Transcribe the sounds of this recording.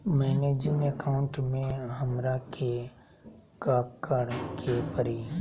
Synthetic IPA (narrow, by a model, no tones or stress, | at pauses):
mɛːneːd͡ʒɪŋekaʊ̃ɳʈmẽɦəmɾakʰe | kaːkːəɽ̃kʰepəɾiː